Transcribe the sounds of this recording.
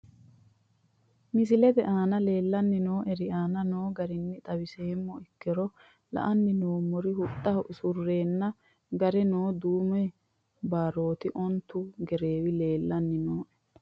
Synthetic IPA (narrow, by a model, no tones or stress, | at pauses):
mɪs̬ɪlɛd̪ɛʔaːnɐle̞ːlːɐnːɪno̞ːʔɛɾɪaːnɐno̞ːɡɐɾɪnːɪt̪ʼɐwɪseːmːɔɪkːɛɾɔ | lɐ̰ʔɐnːɪnoːmːɔɾɪhʊt̪ʼːɐhsʊrːeːnːɐ | ɡɐɾɛnoːd̪uːmɛ | baːɾo̞ːt̪ɪʔɔnt̪ːʊɡɛɾe̞ːwɪle̞ːlːɐnːɪnoːʔɛ̥